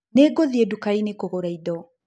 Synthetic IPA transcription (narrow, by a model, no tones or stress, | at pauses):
neːɡoðiedukainekoɣoɾaidɔ